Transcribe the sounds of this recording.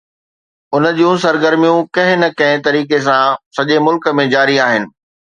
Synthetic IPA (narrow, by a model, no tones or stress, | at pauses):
ʊnə̆d͡ʑijũs̬ɐɾɡəɾmijũkɐ̃ɦɪ̃nɐkɐ̃ɦɪ̃t̪ɐɾiːkes̬ãsɐʄemʊlkə̆mẽd͡ʑaːɾiaːɦɪnɪ̆